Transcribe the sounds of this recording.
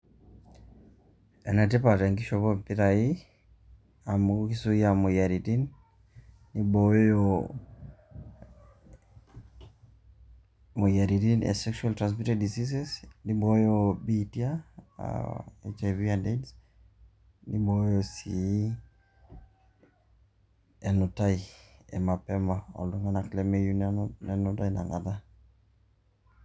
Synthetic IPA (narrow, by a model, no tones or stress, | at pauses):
ɛnat̬epataŋɡiʃɔpɔmpiɾai | amukisujamojaɾitinː | ibɔjo | mɔjaɾitinɛ̰sɛkʃualtɾans̬mitadisis̬ɛsnibɔjobitia̰ | ḛt͡ʃaviandeds | nibojosi | ɛnɔtaiɛ̰mapɛmaɔ̰luŋanaklɛmejunnɛnɔtaina̰ŋa̰ta